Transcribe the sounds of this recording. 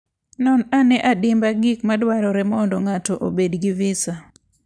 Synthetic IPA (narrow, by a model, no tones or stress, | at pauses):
nɔnanɛʔadɪmbaɡikmadwaɾɔɾɛmɔndoŋatoʔobedɡivɪsa